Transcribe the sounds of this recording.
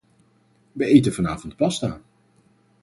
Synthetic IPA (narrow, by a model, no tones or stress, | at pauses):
ʋəejtənvɑnaːvɔnt̚pɑsta̰ː